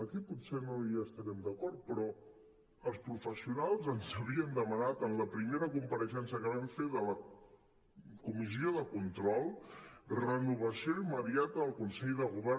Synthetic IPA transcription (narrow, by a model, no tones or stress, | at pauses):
əkiput̪senoiaəst̪əɾɛmd̪əkɔɾt̪̚pɾɔ | əlˠspɾufəsiunalˠzənzəβiənd̪əmənat̪ənləpɾimeɾəkumpəɾəʃɛnsəkəβaɱfeðələ | kumizioðəkunt̪ɾɔlˠrənuβ̞əsijoiməðiat̪əəlˠkunsɛʎðəɣ̞uβɛɾ